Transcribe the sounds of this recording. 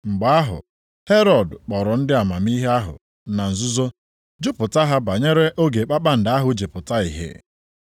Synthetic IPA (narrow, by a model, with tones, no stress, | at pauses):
ŋ͡m̩˨ɡ͡ba˨˦a˦ɦʊ̰˨ | he˦ɾɔ˨dk͡pɔ˨ɾɔ˨n̩˦dɪ˦a˨ma˨m˦i˦ɦe˦a˦ɦʊ̰˨ | na˨n̩˨zʊ˦zo˦ | d͡ʒʊ˦pʊ˨ta˦ɦa˦ba˨ɲe˦ɾe˦ʔo˦ɡe˨k͡pa˦k͡pa˦n̩˨da˦ɦʊ˨d͡ʒe˨pʊ˨ta˦ḭ˨ɦḛ˨